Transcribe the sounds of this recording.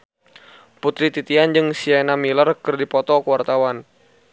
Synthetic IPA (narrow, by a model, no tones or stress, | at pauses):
put̪ɾit̪it̪iand͡ʒɨŋsianamilərkɨrdipɔt̪ɔkəwart̪awan